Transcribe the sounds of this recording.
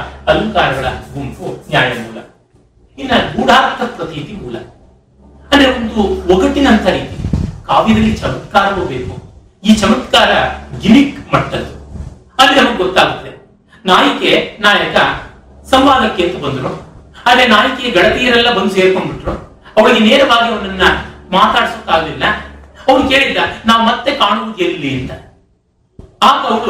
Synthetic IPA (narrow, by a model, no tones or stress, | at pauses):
ɐlɐŋkaːɾɐɡɐɭɐ̰ɡumpunjaːjɐmuːlɐ̰ | inːɐɡuːɽaːɾt̪ʰɐpɾɐt̪ʰiːt̪imuːlɐ̰ | ɐnd̪ɐɾeond̪uɔkɐʈːinɐnt̪ʰɐɾiːt̪ikaːʋid̪ɐlːit͡ʃɐmɐt̪kaːɾɐʋuːbeːku | iːt͡ʃɐmɐt̪kaːɾɐɡimikmɐʈːɐlu | ɐlːinɐmɐɡɡɔt̪ːaːɡut̪ːe | naːjikenaːjɐkɐ | sɐmbaːd̪ɐkːent̪ːubɐnd̪ɾoad̪ɾenaːjɐkejɐɡɐɽɐt̪ijɐɾɛlːɐbɐnd̪useːɾkoɳbiʈːɾo | ɐʋɐɭiɡeneːɾɐʋaːɡiɐʋɐnɐnːɐmaːt̪aːɽisut̪ːaːɡɐd̪ilːɐɐʋɐɾuke̞ːɭid̪ːɐnaːʋumɐt̪ːekaːɳuʋud̪ellːiɐnt̪ɐ | aːkɐʋɐɾu